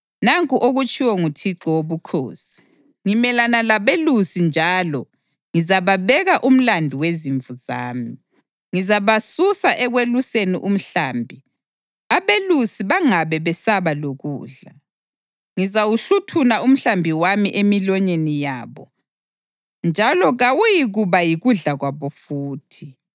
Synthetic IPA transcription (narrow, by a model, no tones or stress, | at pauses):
naŋkʼuʔoɣut͡ʃʼiwɔŋutʰiǁɔwoβukʰo̰ːsi̥ | ŋimɛlanalaβelusind͡ʒʱalɔ | ŋizaβaβɛɣaʔum̩landʱiweziɱvuza̰ːmi | ŋizaβasusaʔɛɣweluseniʔum̩ɬaːmbʱi | aβelusiβaŋaβɛβɛsaβaloɣṵːɮa | ŋizawuɬutʰunaum̩ɬambʱiwamiʔemilɔɲenijaːβɔ | nd͡ʒʱalɔɣawujiɣuβajiɣuɮaɣwaβɔfuːtʰi